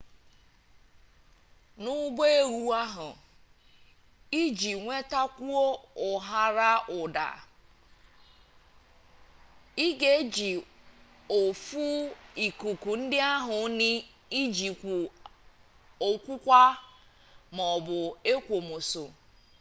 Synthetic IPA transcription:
nʊ˦ɡ͡be˦e˦ɾu˦a˦ɦʊ˨ | i˦d͡ʒi˨ŋʷe˦ta˦kʷu˦o˦ʊ˨ɦa˦ɾa˦ʔʊ˨da̰˨ | i˦ɡe˨˦d͡ʒi˨ | o˨fu˦i˨ku˨ku˨n̩˦dɪ˦a˦ɦʊ˨˦nɪ˦ | i˦d͡ʒi˨kʷu˨ | o˨kʷu˦kʷa˦ | mɔ˨bʊ˨e˦kʷo˨mo˨so̰˨

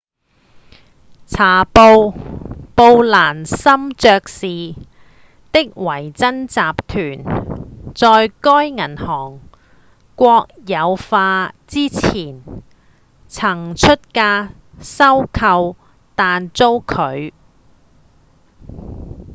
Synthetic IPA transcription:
t͡sʰaː˨˩po˧wpo˧wlaː˨˩nsɐ˥mt͡sœː˧k̚siː˨ | t̪ɪ˥k̚wɐ˨˩jt͡sɐ˥nt͡saː˨p̚t̪ʰyː˨˩n | t͡sɔː˧jkɔː˥jŋɐ˨˩nhɔː˨˩ŋ | kʷɔː˧k̚jɐ˨˧wfaː˧t͡siː˥t͡sʰiː˨˩n | t͡sʰɐ˨˩ŋt͡ʃʰɵ˥t̚kaː˧ | sɐ˥wkʰɐ˧w | t̪aː˨˧nt͡so˥wkʰɵ˨˧ɥ

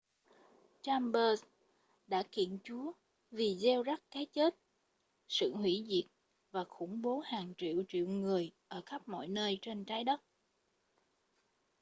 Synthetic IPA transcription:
t͡ɕaː˧mɓəː˧s | ɗa̰ː˧˥kḭ˧˨ənt͡ɕu˨˦ə | vi˨˩zɛ˧wza˦˥k̚kaː˨˦jt͡ɕe˦˥t̚ | sɨ̰˧˨hwḭ˧˥zḭ˨˩ət̚ | vaː˨˩xʊ˧˩ŋ͡mɓo˨˦haː˨˩ŋt͡ɕḭ˧˨əwt͡ɕḭ˧˨əwŋɨ˨˩əjʔəː˧˩xa˦˥p̚mɔ̰˧˨jnəː˧jt͡ɕe˧nt͡ɕaː˨˦jɗə˦˥t̚

